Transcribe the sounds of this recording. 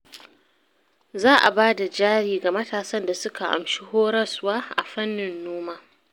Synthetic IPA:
zaː˦ʔa̰˨baː˦da˨d͡ʒaː˦ɽiː˨ɡa˨mɐ˦taː˨sɐ˦nda˨sʊ˦ka˨ʔa̰˨mʃi˦hoː˦ɽɐ˦swaː˦ʔa̰˨ɸɐ˦nːɪ˨nːoː˦maː˦

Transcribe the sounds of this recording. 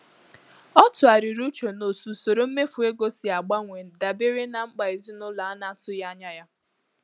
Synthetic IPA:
ɔ˦tʊ˨a˨ɾi˨ɾu˦t͡ʃo˨no˨tu˨so˨ɾo˦m̩˦me˦fu˨e˦ɡo˦si˨a˨ɡ͡ba˦ŋʷe˨n̩˨da˨be˦ɾe˦na˨ŋ͡m̩˦ɡ͡ba˨i˨zi˦nʊ˦la˨˦na˦tʊ˦ja˦a˦ɲa˦ja˦

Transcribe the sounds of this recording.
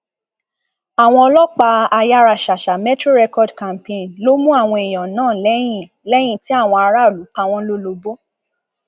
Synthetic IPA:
a˨w̃ɔ̃˧ɔ˧lɔ˦k͡pa˧a˧ja˦ɾa˨ʃa˨ʃa˨mɛ˦tɾo˦ɾɛ˧kɔ˦dkã˨m˨pẽ˧˨nlo˦mũ˦a˦˨w̃ɔ̃˧i˨j̃ɔ̃˨nãː˦˨lɛ˨˦j̃ĩ˦˨ | lɛ˨˦j̃ĩ˦˨ti˦a˦˨w̃ɔ̃˧a˧ɾa˦o˦˨lu˨˦kã˧˦w̃ɔ̃˧˦lo˦lo˧bo˦

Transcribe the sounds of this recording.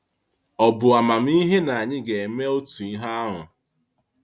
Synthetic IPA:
ɔ˨bʊ˨a˨ma˨m̩˦i˦ɦe˦na˨a˨ɲɪ˦ɡe˨e˨me˦o˦tu˨i˦ɦa˦ɦʊ̰˨

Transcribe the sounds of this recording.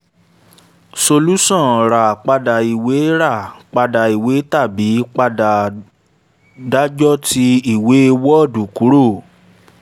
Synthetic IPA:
so˧lu˦sɔ̃˦˨ɾa˨k͡pa˧da˨i˨we˨˦ɾa˦˨k͡pa˧da˨i˨we˨˦ta˦˨bi˨˦k͡pa˧da˨ | da˦d͡ʒɔ˦ti˧i˨we˨˦e˧wɔ˦ɔ˦˨du˨ku˨˦ɾo˦˨

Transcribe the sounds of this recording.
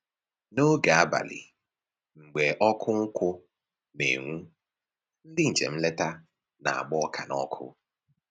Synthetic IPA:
no˦ɡa˨a˦ba̰˨lɪ̰˨ | ŋ͡m̩˨ɡ͡be˨ʔɔ˦kʰʊ˦ŋ̩˦kʷʊ˦ | nḛ˨ŋʷu˦ | n̩˦dɪ˦ŋ̩˨t͡ʃḛ˨m̩˦le˦ta˦ | na̰˨a̰˨ɡ͡bɔ˦kʰa˨nɔ˦kʰʊ̰˦

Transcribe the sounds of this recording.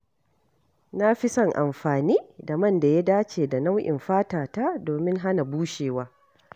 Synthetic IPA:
na˦ɸɪ˦sɐ˦˨ŋʔa˨mɸaː˨niː˦da˨mɐ˦˨nda˨ja˦daː˦t͡ʃeː˨da˨na˦wʔɪ̰˨mɸaː˦taː˨ta˦doː˨mɪ˦ŋɦa˦na˨buː˦ʃeː˨waː˦

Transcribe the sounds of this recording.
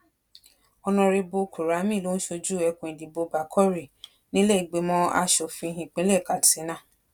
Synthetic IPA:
ɔ˧nɔ̃˧ɾe˧bo˧kʰu˨ɾa˨˦mĩ˦˨lo˦ñ̩˦ʃo˧d͡ʒu˦ɛ˧kũ˧˨ĩ˨di˨bo˧ba˨kʰɔ˦ɾi˨ | nĩ˦lɛ˦i˨ɡ͡be˨˧˦mɔ̃˦a̰˧ʃɔ˨fĩ˧ɦĩ˨k͡pĩ˦lɛ˦˨ka˨ti˨e˨˦nã˦˨

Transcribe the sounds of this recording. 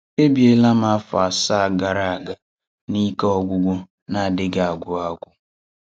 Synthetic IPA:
e˦bi˨e˦la˦m˦a˦fa˨sa˦a˨ɡa˨ɾa˦˨a˨ɡa˨ | ni˦kɔ˦ɡʷʊ˦ɡʷʊ˦ | na˨a˨dɪ˦ɡa˨a˨ɡʷʊ˨a˦ɡʷʊ˦

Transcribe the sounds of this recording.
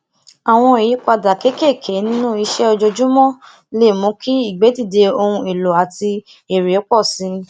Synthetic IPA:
a˨w̃ɔ̃˧i˨i˨˦k͡pa˧da˨ke˦ke˦˨kʰe˨˦nĩ˦nũ˦i˧ʃɛ˦ɔ˧d͡ʒo˧d͡ʒũ˦mɔ̃˦ | le˦˨mũ˨˦kʰi˦i˦˨ɡ͡be˨˦di˦˨de˧o˧hũ˧i˨lo˨a˨ti˧ | e˨ɾe˨˦k͡pɔ˦˨sĩ˨˧˦

